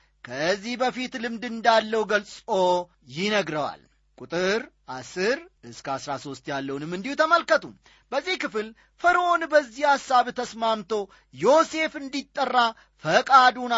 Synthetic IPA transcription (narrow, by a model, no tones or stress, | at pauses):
kʰəzːihbəfit̪lɨmd̪ɨnd̪alːəwuɡəlsʼo̞ | jɪnəɡɾəwa̰l | kʼut̪ʼɨɾʔasɨɾɨskəasɾaso̞st̪jalːəwnɨmːɨnd̪ihut̪ʰəməlkət̪ʰu | bəzːihkɨfɨl | fəɾəʔo̞nbəzːihasːaβt̪ʰəsmamt̪ʰo̞ | jo̞se̞fɨnd̪it̪ʼːərːa | fəkʼad̪un